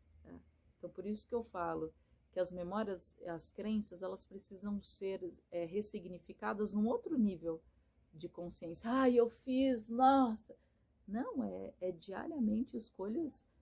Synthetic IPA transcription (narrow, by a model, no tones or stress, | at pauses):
ɛ̰ẽt̪ɐ̃w̃poɾisʊ̥kɪewfalʊ | kɪɐzmemɔɾiɐzɐskɾẽsɐzɛlɐspɾesizɐ̃w̃seɾɛɦesiɡnifikad̪ɐznũowt̪ɾʊnivew | d͡ʒɪkõsiẽsjɐajewfiznɔsɐ | nɐ̃w̃ɛ̰ɛd͡ʒia̰ɾiɐmẽnt͡ʃɪːskoʎɐs